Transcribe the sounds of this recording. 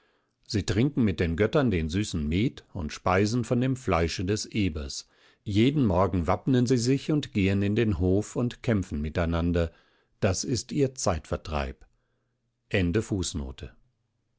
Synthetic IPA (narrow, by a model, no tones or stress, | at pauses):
z̥iːtʁ̥ɪŋkŋ̩mɪt̚d̥eːnɡœtɐndeːnzyːsn̩meːtʊ̰ntʃpaɪzn̩fɔndeːmflaɪʃədɛsʔeːbɐ̰s | jeːdn̩mɔɐɡŋ̩vapnənziːzɪçʊntɡ̥eːənɪndeːnɦoːfʊntkʰɛmfn̩mɪtaɪnandɐ | d̥asɪstiːɐt͡saɪtfɛɐtʁ̥a̰ɪp | ʔɛndəfuːsno̰ːtʰə